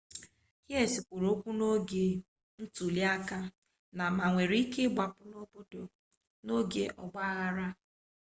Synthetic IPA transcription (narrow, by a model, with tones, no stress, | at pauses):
he˦˨si˨kʷo˨ɾo˦kʷu˦no˦ɡe˨ | n̩˦tu˨li˦a˦ka˦ | na˨ma˨ŋʷe˨ɾi˦ke˦ɡ͡ba˨pʊ˨no˦bo˦do˨ | no˦ɡḛ˨ʔɔ̰˨ɡ͡ba˦a˦ɣa˦ɾa˦